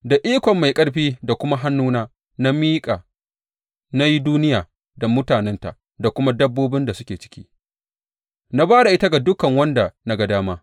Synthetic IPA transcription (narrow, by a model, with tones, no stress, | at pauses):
da˨ʔiː˦kʷɔ˨mːa˨jkʼɐ˦ɽɸiː˦da˨kʷʊ˦ma˦ɦa˦nːuː˦naː˦ | na˦miː˦kʼaː˨ | na˦ji˦duː˦nɪ˦jaː˨ | da˨mʊ˦taː˨nɛ˦nta̰˨ | da˨kʷʊ˦ma˦dɐ˦bːoː˦bɪ˦nda˨sʊ˦kʲeː˨t͡ʃɪ̥˦kʲiː˦ | na˦baː˦ɽa˨ʔɪ˦ta˦ɡa˨dʊ˦kɐ˨ŋwɐ˦nda˨na˦ɡa˦˨daː˦maː˦